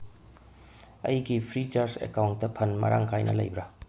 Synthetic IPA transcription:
ɐjɡipʰɾit͡ʃaɾsḛkawnt̚dɐpʰɐnmɐ̰ɾʔa̰ŋkʰajnɐ̰lɐ̰jbɾa

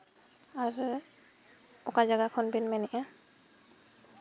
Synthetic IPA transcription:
aɹ | ɔkazaɡakʰɔnbinmɛnɛʔa

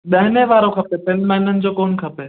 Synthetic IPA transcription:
ɗɐɦɪneʋaːɾokʰɐpepɪnmãɪnənɪ̆d͡ʑoːkoːnkʰɐpe

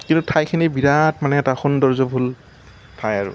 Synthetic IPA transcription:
kintutʰajkʰinibiɹatmanɛːtaxɔndɔɹzɔbʱul | tʰajaɹʊ̰

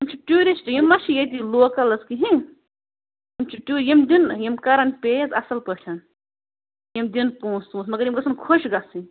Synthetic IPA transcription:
jimt͡ʃʰiʈʲuːɾʲisʈijimːɐʃʰijet̪iloːkɐlɐskiɦĩ | jimt͡ʃʰiʈuːɾjimd̪injimkɐɾɐnpʲejɐzɐsɐlpəʈʰɐ | jimd̪ʲinpõːst̪ũːsmɐɡɐɾjimɡɐsʰɐnkʰoʃɡɐsĩ

